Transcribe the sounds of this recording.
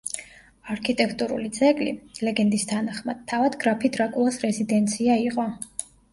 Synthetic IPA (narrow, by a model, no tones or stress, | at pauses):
aɾkʰit̪ʼɛkʰt̪ʼuɾṵlit̪sʰʼɛɡʼlḭlɛɡɛnd̪ist̪ʰanaχmad̪̥̚t̪ʰːavad̪ɡɾapʰid̪ɾakʼulˠasɾɛzid̪ɛnt̪sʰiaiqʼɔ